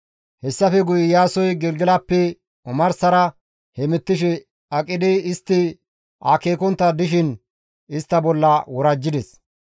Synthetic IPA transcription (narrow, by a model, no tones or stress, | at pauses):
hɛsːɐfɛɡʊjɪjaːsɔjɡɛlɡɪlɐpːɛ | ɔmɐɾsɐɾɐ | hɛmɛt̪ːɪʃ̬ɛ | ɐkʼːɪd̪ɪɪst̪ːɪ | a̰ːkeːkɔnt̪ːɐd̪ɪʃɪn | ɪst̪ːɐbɔlːɐwɔɾɐd͡ʒːɪd̪ɛs